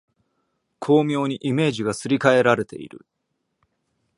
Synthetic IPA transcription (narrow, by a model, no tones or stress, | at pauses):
kʰo̞ːmʲjo̞ːɲ̟iʔime̞ːʑiɡasɨɾʲikae̞ɾaɾe̞t̪e̞̰ḭɾɯ̟̰